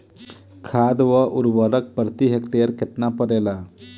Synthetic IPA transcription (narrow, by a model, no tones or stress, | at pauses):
kʰad̪ʋəʔuɾʋəɾək̚pɾət̪iɦekʈeɾket̪napəɾela